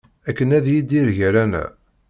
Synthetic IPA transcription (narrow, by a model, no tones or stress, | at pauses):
ækːənæðjid̪iɾʝæɾænæ̰